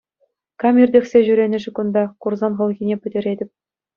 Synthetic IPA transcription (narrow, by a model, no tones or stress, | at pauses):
kɑmʲirʲdʲexʲsʲeʑyɾʲenʲɘ̆ʐɘ̆kund̪ɑkurzɑnʁɤ̆lˠɣʲinʲepʲɘ̆dʲɘ̆ɾʲedʲɘ̆pʲ